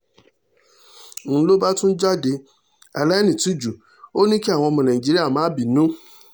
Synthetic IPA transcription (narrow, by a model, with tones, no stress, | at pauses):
n̩˨˦lo˦ba˦tʊ̃˦n̩˦d͡ʒa˦de˨ | a̰˨la˦nĩ˨tu˦d͡ʒu˨ | o˦nĩ˦ke˦a˦˨w̃ɔ̃˧˦mã˨nã˨i˨d͡ʒi˦ɾi˦a˨mãː˦bi˨nũ˦